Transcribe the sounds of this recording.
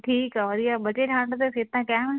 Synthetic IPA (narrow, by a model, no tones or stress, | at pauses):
ʈʰiːkaʋɐɾiabɐt͡ɕeʈʰãːɳɖt̪eset̪ãkɛm